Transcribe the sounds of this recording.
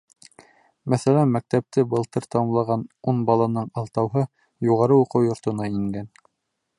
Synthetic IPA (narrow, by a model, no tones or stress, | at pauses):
mæθælænmæk̚t̪æp̚t̪ɘbɤ̆lˠt̪ɤɾt̪ɑmlˠɑʁɑnunbɑlˠɑnɤɴɑlˠt̪ɑwɦɤ | juʁɑɾɤuqɤwjŏɾt̪ŏnɑiŋɡæn